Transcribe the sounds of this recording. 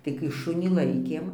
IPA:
tɐɪ kɐɪ ˈʃʊnʲiː ˈlˠɐɪkʲeːm

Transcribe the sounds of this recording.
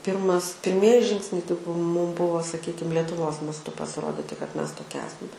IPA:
ˈpʲiːrmɐs pʲɪrʲˈmʲiɛjɪ ˈʒʲɪŋksʲnʲɛɪ tɐɪ ˈmuːm ˈbʊʋoː sɐˈkʲiːkʲɪm lʲɛtʊˈʋoːs mɐsˈtʊ pɐsʲɪˈroːdʲɪtʲɪ kɐt ˈmʲɛs toːˈkʲiɛ ˈæːsɐm

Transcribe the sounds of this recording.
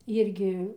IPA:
ˈɪrʲɡʲɪ

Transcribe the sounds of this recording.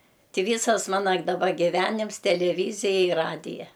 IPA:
ˈtʲiː ˈʋʲiːsɐs ˈmɑːnɐ dɐˈbɐ ɡʲɪˈʋʲæːnʲɪms tʲɛlʲɛˈʋʲiːzʲɪjɛ ɪ ˈrɑːdʲɪjɛ

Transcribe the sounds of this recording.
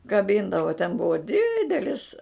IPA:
kɐˈbʲɪndɐʋoː tʲɛn ˈbʊʋoː ˈdʲɪdʲɛlʲɪs

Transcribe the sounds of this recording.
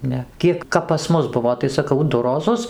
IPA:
ˈnʲɛ ˈkʲiɛk kɐp pɐs ˈmʊs ˈbʊʋoː tɐɪ sɐˈkɐʊ ˈdʊ roːˈzʊs

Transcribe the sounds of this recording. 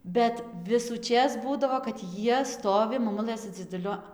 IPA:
ˈbʲɛt ʋʲɪsuːˈt͡ʃʲeːs ˈbuːdɐʋoː kɐt ˈjiɛ ˈstoːʋʲɪ mɐˈmʊlˠɘ sʊ d͡zʲɪdʊˈlʲʊ

